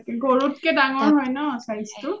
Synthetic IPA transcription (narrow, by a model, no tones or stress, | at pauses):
kɛɡoɹut̚kɛdaŋɔɹɦɔjnɔsaistʊ